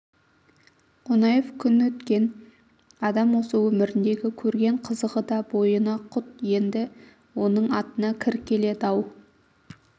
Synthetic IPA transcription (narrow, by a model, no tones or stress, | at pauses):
qonɑjefkʲʰʏnwɵt̪kʲe̞n | ɑd̪ɑmwo̞səwɵmɪɾɪnd̪e̞ɡʲɪkʲʰɵɾɡʲe̞ɴqʰəzəʁəd̪ɑbo̞jənɑqʰʊt̪je̞nd̪ɪ | wo̞nəɴɑt̪ənɑkʲʰɪɾkʲʰe̞le̞t̪ɑw